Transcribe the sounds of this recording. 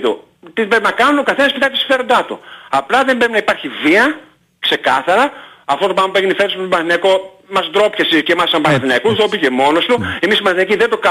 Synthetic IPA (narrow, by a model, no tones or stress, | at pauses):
t̪o | t̪iðebɾepinɐkɐnunokɐθenɐspit̪ɐk̚t̪esi̥ɱfe̞ɾo̞nd̪ɐt̪ṵɐplɐðe̞mbɾepinɐipaɾçiviɐ | kse̞kɐθɐɾɐ | ɐft̪ot̪opɐmɐpueɣinifeɾspot̪obɐnɐθinɐko̞ | mɐzd̪ɾo̞pçesicemɐsɐmbɐnθinɐkut̪opicemo̞nost̪uemisibɐnθinɐciðend̪okɐ